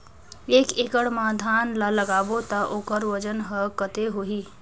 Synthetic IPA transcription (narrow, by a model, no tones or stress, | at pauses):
eːkeːkəɽmad̪ʱaːnlaləɡaːbot̪əʔoːkəɾʋəd͡ʒənɦəkət̪eɦoɦi